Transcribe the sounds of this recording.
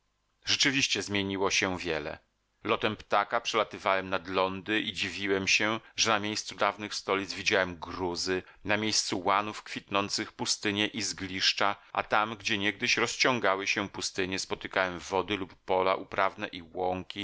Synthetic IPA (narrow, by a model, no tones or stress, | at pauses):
ʐɛt͡ʂɘvʲiɕt͡ɕɛzmʲjeɲiwɔɕɛvʲjɛlɛ̰ | lɔt̪ɛmpt̪akapʂɛlat̪ɘvawɛmnad̪lɔnd̪ɘʔid͡ʑivʲiwɛmɕɛʐɛnamʲjejst̪sud̪avnɘxst̪ɔlʲid̪zvʲid͡ʑawɛmɡɾuzɘ | namʲjejst̪suwanufkfʲit̪nɔnt̪sɘxpust̪ɘɲɛʔizɡlʲiʂt͡ʂaʔa̰t̪amɡd͡ʑɛɲɛɡ̚d̪ɘɕɾɔst͡ɕɔ̃ŋɡawɘɕɛpust̪ɘɲɛspɔt̪ɘkawɛmvɔd̪ɘlupːɔla̰ʔupɾavnɛʔiwɔŋkʲi